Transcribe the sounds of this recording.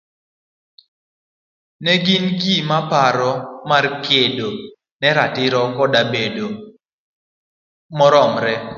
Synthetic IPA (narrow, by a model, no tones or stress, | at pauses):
nɛɡinɡimapaɾɔmarkʰedo | nɛɾatɪɾɔkɔdabedo | mɔɾɔmɾɛ